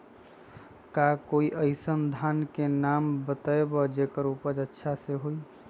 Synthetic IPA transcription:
kakoiʔəɪsənd̪ʱankenambət̪aebɔd͡ʒekəɾupəd͡ʒətːʃʰaseɦoj

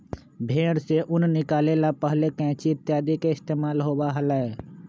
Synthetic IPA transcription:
bʱeːɽseʔʊnnɪkaːlelapəɦlekɛ̃ːt͡ʃiɪt̪jaːd̪ikeɪst̪eːmaːlɦoːbaɦəlae

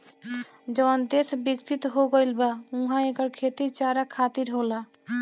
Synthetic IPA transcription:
d͡ʒɔːnd̪eːsbɪkt̪ɪt̪ɦoɡəɪlbaũɦãekəɾkʰeːt̪it͡ʃaːɾakʰaːt̪ɪɾɦoːlaː

